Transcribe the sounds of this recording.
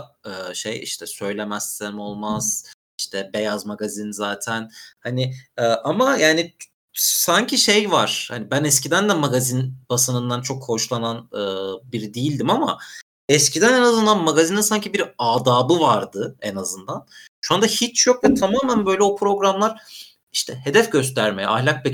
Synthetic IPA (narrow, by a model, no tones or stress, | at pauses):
ɯːʃḛjḭʃt̪ʰɛsø̞jlʲe̞mæseɾmo̞lˠmaz̥ | iʃt̪ʰɛbe̞jazmaɡazinzaːt̪ʰænhanɪɯːʔamajaːni | saɲcʰiʃejvaɾ̥ha̰nibænɛscid̪ænd̪ɛmaɡazinb̥asɯnɯnd̪ant͡ʃʰo̞kho̞ʃlˠananɯːbiɾid̪ijilʲd̪imama̰ | ɛscid̪ænɛnazɯnd̪anmaɡazininsaɲcʰibiɾaːd̪aːbɯvaɾd̪ɯɛnazɯnd̪an | ʃuand̪ahit͡ʃjokvɛt̪ʰamaːmænbø̞jlʲɛo̞pʰɾo̞ɡɾamlˠaɾ̥ | iʃt̪ʰɛhe̞d̪ɛfɟø̞st̪ʰæɾmejɛ̰a̰hlʲak̚bɛ